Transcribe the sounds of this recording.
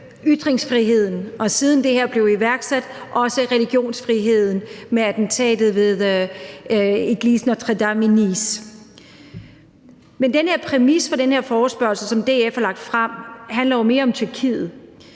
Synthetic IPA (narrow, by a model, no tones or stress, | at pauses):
yd̥ʁeŋsfʁiɦe̝ð̞̰ˠn̩ʔɒ̽siːð̞ˠn̩d̥e̝heɐ̰b̥le̝ʊiʋæɐɡ̥sæd̥ʔɒ̽səʁɛliɡ̥jo̝̰ːnsfʁiɦe̝ð̞̰ˠn̩meæd̥n̩t͡sʰɛ̰ːd̥ð̩ˠʋe̝ðˠ | eɡ̥lisn̩ɒt͡sʰʁed̥ɑminis | mend̥enhe̝ɐ̰pʰʁɛmisfɒ̽d̥enhe̝ɐ̰fɒːsb̥ɶɐlsəsɒ̽md̥e̝efælɑ̈ɡ̥̚d̥fʁɑm̰ɦænlɐjo̝me̝ːɐɒ̽mt͡sʰyɐkʰḭːð̩ˠ